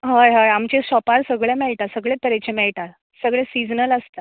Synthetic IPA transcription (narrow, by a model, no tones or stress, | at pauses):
ɦajɦajamt͡ɕesɔpaɾsəɡɭjamɛɭʈasəɡɭet̪əɾet͡ɕemɛɭʈaɾ | səɡɭesid͡znələst̪a